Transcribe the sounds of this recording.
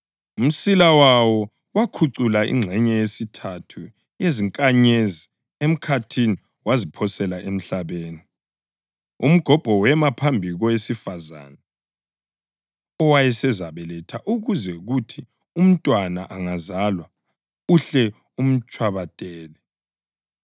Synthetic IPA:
um̩silawawɔ | wakʰuǀulaʔḭŋ͡ǁʱɛɲɛjesitʰatʰu | jeziŋkʼaɲezi | em̩kʰatʰini | wazipʰɔsɛlaʔem̩ɬaβeːni | ṵm̩ɡ̥ʱɔb̥ʱɔwɛmapʰambʱiɣɔwesifaza̰nɛ | ɔwajɛsɛzaβɛlɛtʰaʔuɣuzɛɣutʰi | um̩tʼwanaʔaŋazalwa | uɬɛ | um̩t͡ʃʼwaβatʼɛːlɛ

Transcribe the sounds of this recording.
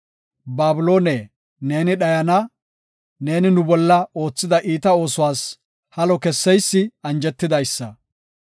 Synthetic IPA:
baːbʊlo̞ːne | ne̞ːnɪɗɐjɐnɐ | ne̞ːnɪnʊbɔlːɐo̞ːt͡sːɪd̪ɐʔiːt̪ɐo̞ːsʊwaːs | hɐlɔkɛsːɛjsːɪɐnd͡ʒɛt̪ːɪd̪ɐjsːɐ

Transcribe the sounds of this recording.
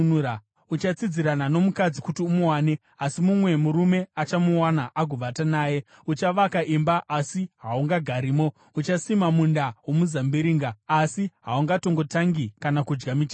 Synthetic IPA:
a | ut͡ʃat͡sid͡ziɾanano̞mukad͡zikutiumuwaːne̞ | asimumwe̞muɾume̞at͡ʃamuwanaʔaɡʱuʋatanaːje̞ | ut͡ʃaʋakaʔimbaʔːsiɦauŋɡaɡʱaɾiːmo̞ | ut͡ʃasimamundawomuzambiɾiːŋɡaːsiɦauŋɡato̞ŋɡo̞taŋɡikanakud͡ʒɡamit͡ʃa

